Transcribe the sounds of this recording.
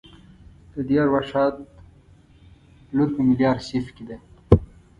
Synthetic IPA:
d̪̥əd̪ijɑɾwaʂɑːt̪ | luɾpimiljɑːɾsifkid̪e

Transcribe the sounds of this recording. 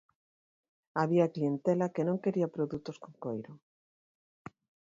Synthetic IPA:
aβiaklient̪elakenõŋkeɾiapɾoðut̪oskoŋkojɾo

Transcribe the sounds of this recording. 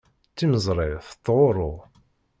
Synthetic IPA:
t͡sːiməzˤɾˤɪθt̪ːʁoɾˤo

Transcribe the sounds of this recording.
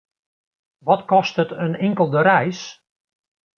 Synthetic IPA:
ʋɔtkɔstətənɪŋkəlˠdəɾɛjs

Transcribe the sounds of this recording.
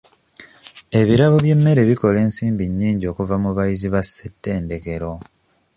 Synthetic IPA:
e̞βiɾaβoβje̞mːe̞ɾe̞βiko̞le̞ːnsiːmbiɲːiːɲɟio̞ːkuvamuβajiziβasːetːe̞ːnde̞ke̞ɾo̞

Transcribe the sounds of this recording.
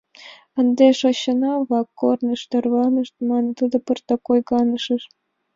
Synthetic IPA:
ə̆nd̪ʲeʂoɕːɤ̆nɑβɑkːornɤ̆ʂt̪ɤ̆rʋɑnɤ̆ʂt̪mɑnɤ̆t̪ud̪ɤ̆pɤrt̪ɑkojɡɑnɤ̆ʂɤ̆ʂ

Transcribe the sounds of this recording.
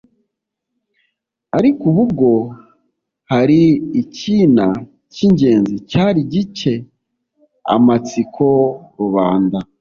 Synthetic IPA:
aɾikuβubɡo̞ | haɾiːcina | ciɲɟe̞ːnzicaːɾiɟit͡ʃe̞ | a̰mat͡sikʰo̞ɾuβaːnda

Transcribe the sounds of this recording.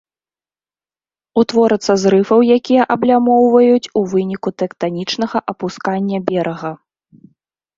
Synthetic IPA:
ut̪vɔɾɐt̪sːɐzɾɨfɐwjakʲijɐʔɐblʲamɔwvɐjut͡sʲuvɨnʲikut̪ɛkt̪anʲit͡ʂnɐɣɐʔɐpuskanʲːɐbʲɛɾʔɐɣɐ

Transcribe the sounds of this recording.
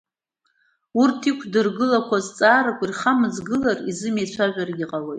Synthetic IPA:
urtʰikʷʰdɨrɡɨlakʷʰazt͡sʼaːɾakʷʼirχamɨzɡɨlarizɨmet͡ɕʷʰaʒʷᶣarɡʲɪqʼalo̞jtʼ

